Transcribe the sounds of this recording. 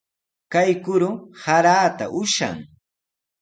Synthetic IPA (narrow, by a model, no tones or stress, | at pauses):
kajkʊɾʊhaɾaːt̪a̰ʔʊʃa̰ŋ